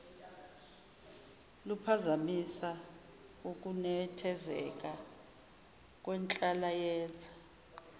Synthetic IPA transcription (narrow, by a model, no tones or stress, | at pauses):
lupʰazamisa | uk̬ʼunɛtʰɛzɛ̰k̬ʼa | k̬ʼwɛnt͡ɬʼalajɛːd͡zʱḁ